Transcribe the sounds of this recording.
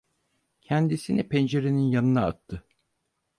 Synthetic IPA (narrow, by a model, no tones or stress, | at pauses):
cʰænd̪isinipʰɛnd͡ʒeɾeninjanɯnaːt̪ʰːɯ